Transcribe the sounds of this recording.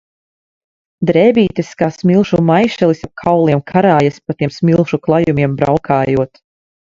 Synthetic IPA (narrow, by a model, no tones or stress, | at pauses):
d̪ɾɛːbiːt̪ɛskaːsmilˠʃumajʃɛlˠisap̚kʰawlˠiɛmkʰaɾaːjaspat̪iɛmsmʲilˠʃuklˠajumʲiɛmbɾawkʰaːjuɔt̪